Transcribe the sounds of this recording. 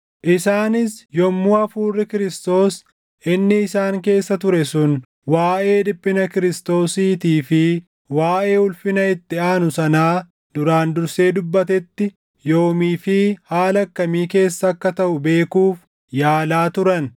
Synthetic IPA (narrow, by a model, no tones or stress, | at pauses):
ʔɪsaːnɪsjɔmːuːɐfuːrːɪkɪɾɪst̪o̞ːs | ʔɪnːɪːsaːŋke̞ːsːɐt̪ʊɾɛsʊn | waːʔe̞ːd̪ɪpʼːɪnɐkɪɾɪst̪o̞ːsiːt̪iːfɪ | waːʔe̞ːʊlfɪnɐɪt̪ːɪaːnʊsɐnaː | d̪ʊɾaːnd̪ʊɾse̞ːd̪ʊbːɐt̪ɛt̪ːɪ | jo̞ːmiːfɪhaːlɐkːɐmiːke̞ːsːɐːkːɐt̪ɐʔʊbe̞ːkuːf | jaːlaːt̪ʊɾɐn